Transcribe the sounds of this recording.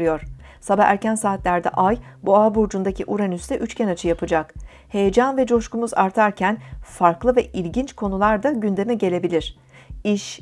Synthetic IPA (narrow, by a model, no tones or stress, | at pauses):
ɯjo̞ɾ̥ | sabaæɾcʰænsaːt̪lʲæɾd̪ɛ̰ʔajbuaːbuɾd͡ʒund̪acʰiʔuɾanyst̪ɛʔyt͡ʃcʰɛnat͡ʃʰɯjapʰɯd͡ʒak | he̞jed͡ʒanvɛd͡ʒo̞ʃkumuza̰ɾt̪ʰaɾcʰænfaɾklˠɯvɛʔilʲɟint͡ʃkʰo̞nulˠaɾd̪aɟynd̪e̞mɛɟe̞lʲe̞bilʲiɾ̥ | iʃ